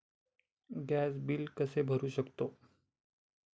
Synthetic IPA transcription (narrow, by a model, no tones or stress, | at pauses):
ɡæs̬bilkəsebʱəɾuɕəkt̪o